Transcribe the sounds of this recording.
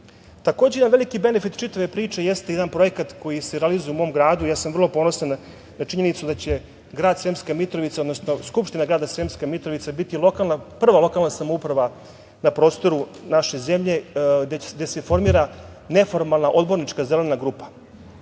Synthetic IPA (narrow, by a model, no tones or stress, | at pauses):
t̪akoːd͡ʑejed̪anʋe̞likibe̞nefit̪t͡ʃit̪aʋe̞pɾiːt͡ʂe̞jest̪eed̪anpɾo̞jekat̪ko̞jiseɾealizujeumo̞mɡɾaːd̪ujaːsamʋr̩lˠopo̞no̞san | nat͡ʃiɲe̞nit̪sud̪at͡ɕe̞ | ɡɾaːd̪seːmskamit̪ɾoʋit̪saod̪nosno̞skupʃt̪inaɡɾaːd̪asemskamit̪ɾoʋit̪sabit̪ilokalnapr̩ʋalo̞kalˠnasamoupɾaʋa | napɾo̞ːst̪o̞ɾunaʃeze̞mʎe̞ed̪ese̞fo̞ɾmiːɾa | ne̞fo̞ɾmalˠnaʔo̞d̪bo̞ɾnit͡ʂkazele̞naɡɾuːpḁ